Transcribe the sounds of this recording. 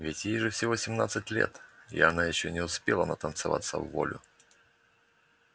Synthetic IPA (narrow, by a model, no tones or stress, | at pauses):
vʲɪtʲjejʐɨfsʲɪvosʲɪmnat̪sɨtʲlʲḛt̪ɪ̰ɐnajɪɕːonʲɪʊspʲelˠənət̪ənt̪sɨva̰t̪sːə̰vːo̰lʲʊ